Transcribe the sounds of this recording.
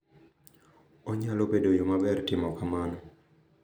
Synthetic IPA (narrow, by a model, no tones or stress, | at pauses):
ɔɲalobedojomabɛrtɪmɔkamanɔ